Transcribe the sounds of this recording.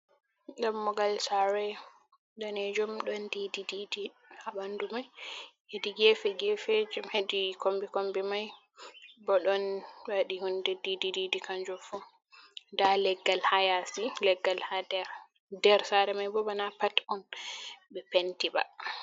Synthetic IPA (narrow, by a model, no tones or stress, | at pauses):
ɗamːɔɡalsaɾɛ | ɗanɛd͡ʒɔmɗɔndidididi | habandumajhediɡɛfɛɡɛfɛd͡ʒɔmhedikombikombimaj | bɔɗɔnwaɗihundɛdidididikand͡ʒɔfɔ | dalɛɡːalhajasilɛɡːalhadɛɾ | dɛɾsaɾɛmajbɔbanapatɔnbɛpɛntiba̰